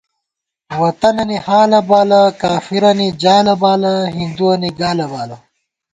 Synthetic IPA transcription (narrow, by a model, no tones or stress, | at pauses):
wɐt̪ɐnɐnihaːlɐbaːlɐkaːfiɾɐnid͡ʑaːjlɐbaːlɐɦind̪uɐniɡaːlɐbaːlɐ